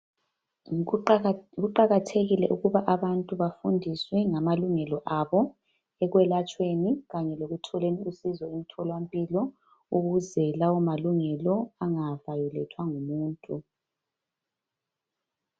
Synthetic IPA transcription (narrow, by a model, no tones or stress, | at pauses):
ɣuǃaɣatʰeɣilɛ̰ʔuɣuβaʔaβantʼuβafundʱiswɛŋamaluŋɛlɔʔaβɔ | ɛɣwɛlat͡ʃʼweniɣaɲɛloɣutʰɔleniusizɔimitʰɔlwampʼilɔ | uɣuzɛlawɔmaluŋɛlɔaŋavajulɛtʰwaŋumuːntʼu